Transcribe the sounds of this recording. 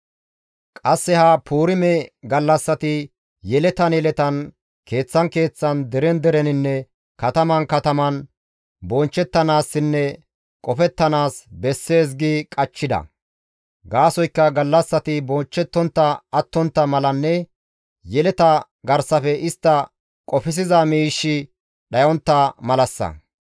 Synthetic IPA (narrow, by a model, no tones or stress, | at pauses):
kʼɐsːɛhɐpʰuːɾɪmɛɡɐlːɐsːɐt̪ɪ | jɛlɛt̪ɐnjɛlɛt̪ɐn | kʰe̞ːt͡sːɐnke̞ːt͡sːɐnd̪ɛɾɛnd̪ɛɾɛnɪnːɛ | kɐt̪ɐmɐnkɐt̪ɐmɐn | bɔnt͡ʃːɛt̪ːɐnaːsːɪnːɛ | kʼɔfɛt̪ːɐnaːsbɛsːe̞ːs̬ɡɪkʼɐt͡ʃːɪd̪ɐ̰ | ɡaːsɔjkːɐɡɐlːɐsːɐt̪ɪbɔnt͡ʃːɛt̪ːɔnt̪ːɐɐt̪ːɔnt̪ːɐmɐlɐnːɛ | jɛlɛt̪ɐ | ɡɐɾsɐfɛɪst̪ːɐ | kʼɔfɪs̬ɪzɐmiːʃːɪ | ɗɐjɔnt̪ːɐmɐlɐsːɐ̰